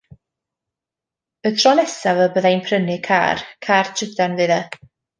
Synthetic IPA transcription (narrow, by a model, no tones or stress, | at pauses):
ətʰrɔnɛsavəbəðajnpʰrənɨkʰa̰ːrkʰaːrt͡ʃʰədanvɨðɛ